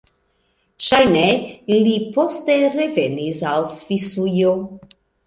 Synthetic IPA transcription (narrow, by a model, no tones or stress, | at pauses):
ʃajnelipost̪eɾevenisalsfisujo